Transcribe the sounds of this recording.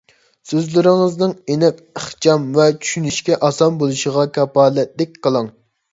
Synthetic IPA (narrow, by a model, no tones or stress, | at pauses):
søzlɪɾɪŋɨznɨŋenɛk̚əχt͡ʃʰɑmvɛt͡ʃʰy̥ʃynyʃkʲɛʔɑsɑnbolˠuʃəʁɑkʰʲɑpɑːlɛt̪̚lɛk̚ʲqəlˠɑŋ